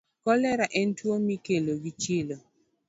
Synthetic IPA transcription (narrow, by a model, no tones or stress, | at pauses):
kɔlɛɾaʔɛntwomikeloɡit͡ʃelo